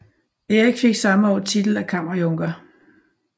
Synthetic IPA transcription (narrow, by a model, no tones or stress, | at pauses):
eːiɡ̥fe̝ɡ̥sɑ̈məɒ̰ːt͡sʰid̥l̩ækʰɑm̰ɐjɔŋɡ̥ɐ